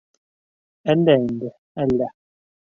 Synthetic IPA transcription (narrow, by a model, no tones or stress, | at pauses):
ɛndɛndɛ | ala